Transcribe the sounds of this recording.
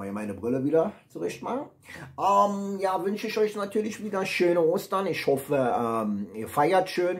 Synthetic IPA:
imaɪnəbʁɪləviːdɐt͡suʁɛçtmaχn̩ | ʔɛmjaːvʏnʃəɪçʔɔʏçnatʰyːɐlɪçv̥iːdɐʃøːnəoːstɐnɪçhɔfəʔɛːmiːɐfaɪɐtʃøːn

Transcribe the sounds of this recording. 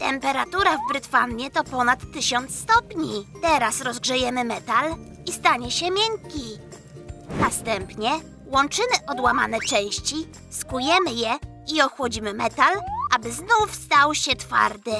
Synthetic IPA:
t̪ɛmpɛɾat̪uɾavbɾɘt̪fa̰nmʲjɛt̪ɔpɔnat̪ːɘɕɔnt̪st̪ɔpɲit̪ɛɾasɾɔzɡʐɛjɛmɘmɛt̪al | ist̪aɲɛɕɛmʲjɛŋkʲi | nast̪ɛmpɲɛ | wɔnt͡ʂɘmɘʔɔd̪wama̰nɛt͡ʂɛ̃w̃ɕt͡ɕi | skujɛmɘjɛ | iɔxwɔd͡ʑimɘmɛt̪alʔabɘznufst̪awɕɛt̪fa̰ɾd̪ɘ

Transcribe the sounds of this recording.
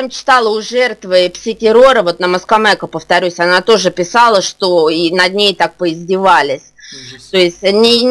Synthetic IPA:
mt͡ɕɪ̥t̪alˠəʊʐɛrt̪vɨpsʲɪtʲɪɾo̞ɾəvo̞t̪nəməskɐmɛkəpəft̪ɐɾʲusʲɐnat̪o̞ʐɨpʲɪsalˠəʂt̪o̞inɐd̪ʲnʲejt̪ak̚pəɪzʲdʲɪvalʲɪsʲt̪o̞ɪsʲtʲnʲɪ

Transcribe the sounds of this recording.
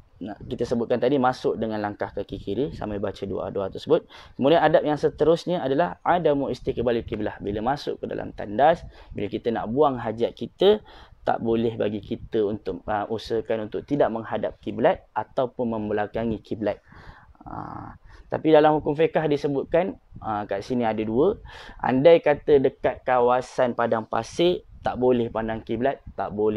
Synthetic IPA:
nakit̪əsəbʊt̪̚kant̪adimasʊk̚dəŋanlaŋkahkakikiɾisa̰mabat͡ʃədṵa̰dua̰t̪əsəbʊt̪̚kəmudaanadap̚jaŋsət̪əɾʊsɲaadalahadamuʔist̪ikəbalikiblahbiləmasʊ̰ʔkəda̰lʔa̰mt̪a̰ndasbiləkit̪əna̰ʔbuaŋɦad͡ʒiat̪̚kit̪ət̪a̰ʔbolɛhba̰ɡikit̪əunt̪ʊk̚əʔusəkanunt̪ʊk̚t̪idaʔmə̃ŋɦadap̚kiblat̪̚ʔat̪awpʊnmə̃mbəlakaŋikiblat̪̚ə̰t̪a̰pidalamhukʊmfekahdisəbʊt̪̚kanəmkasiniadəduəʔa̰ndajkat̪ədəkat̪̚kawasanpadaŋpa̰sɪt̪aʔbolɛhpandaŋkiblat̪̚ːaʔbol

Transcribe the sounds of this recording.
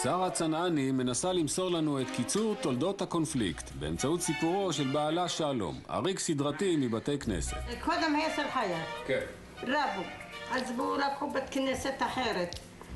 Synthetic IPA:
saʁat͡sananime̞nasalimso̞ʁlanuet̪kit͡suʁt̪o̞ld̪o̞t̪hako̞nflḭkt̪be̞ḛmt͡saut̪sipuʁo̞ʃelbaːlaʃaːlo̰ma̰ʁiksid̪ʁatimibate̞jknḛsḛt̪kʰod̪emhajaselħajak | ɾabualzbuɾakubat̪kneset̪aħeɾet̪

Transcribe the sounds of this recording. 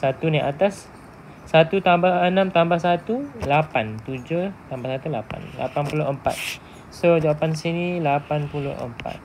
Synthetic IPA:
sat̪unaʔat̪asː | at̪ut̪ambahənãmt̪ambahsat̪ulapant̪ud͡ʒot̪ambahsat̪ulapa̰nla̰panpuloʔəmpa̰t̪̚ | sod͡ʒaapansinilapanpulo̰hə̰mpa̰t̪̚

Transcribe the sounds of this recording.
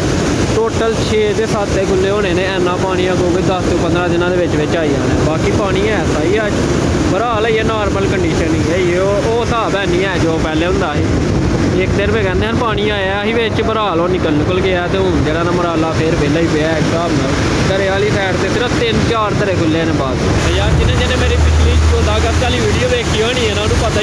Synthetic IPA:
ʈoːʈəlt͡ʃʰeːd̪eːsaːt̪ːeːkʊlːeːõːñeːnẽːɛːnːãːpaːɽ̃ĩːãːɡoːʋɪd̪əst̪uːpənd̪ɾãːd̪ɪnãːd̪eːʋɪt͡ʃʋɪt͡ʃaːiːaːneːbaːkiːpaːɽ̃iːɛːsaːiːəd͡ʒ | bəɾaːlaːiːɛːnaːɾməlkəɳɖiːʃəniːaːiːeo | oːsaːbɛːnĩːɛːd͡ʒoːpɛːleːɦʊ̃nd̪aːɦiː | ɪk̚d̪eːɾbeːkɛ̃ːnd̪eːɦənpaːɽ̃iːaːjaːəɦiːʋɪt͡ʃbəɾaːloːnɪkəlnɪkəlɡɪaːt̪eːʊ̃d͡ʒeːɽaːnaːməɾaːlaːpʰɪɾbeːlaːiːpeaːksaːbnãː | k̪əɾeːaːliːsɛːʈt̪eːsɪɾət̪ɪnt͡ʃaːɾt̪əɾeːkʰʊlːeːnẽːbaːz | əd͡ʒaːɾd͡ʒɪnẽːd͡ʒɪnẽmeːɾiːbɪsliːoːd̪aːɡəskaːliːʋiːɽijoːʋeːkʰiːoːñiːɛːnãːnũːpət̪ː

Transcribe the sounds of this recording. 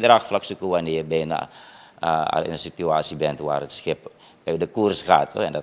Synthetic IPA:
dɾaxflaksukuʋanɪːbɛjna̰ | a̰ɪ̰nəsityaːsibɛntʋa̰ːrətsxɪp | ødəkursɣa̰ːto̰ɛndɔ

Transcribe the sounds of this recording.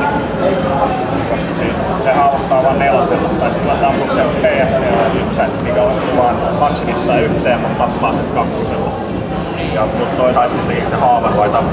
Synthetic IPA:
koskɑsiːt̪ | sehɑːʋɑt̪ːɑːʋɑːmmelɑselːɑt̪t̪ːɑist̪ːulːɑt̪ɑpːuksemeijæsnelːɑniːmsæmikæolsit̪ʋɑːn | kɑksimisːɑːyht̪eːmkɑt̪t̪ɑpːɑːsit̪kɑkːuselːɑ | jɑnut̪t̪oisisːist̪eisehɑːʋɑnʋɑit̪ɑpː

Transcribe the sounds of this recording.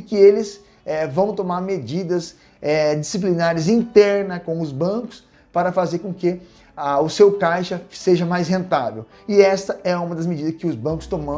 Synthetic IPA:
ɪkɪelɪz | ɛvɐ̃w̃t̪omaɾmed͡ʒid̪ɐs | ɛd͡ʒisip̬linaɾɐzĩnt̪ɛɾnɐkõw̃ʊzbɐ̃kʊ̥s | paɾɐfazeɾkõkɪ | aʊsewkajʃɐseʒɐmajsɦẽnt̪avḛw | ɪɛst̪ɐɛũmɐd̪ɐzmed͡ʒid̪ɐskɪʊzbɐ̃kʊ̥st̪õmɐ̃

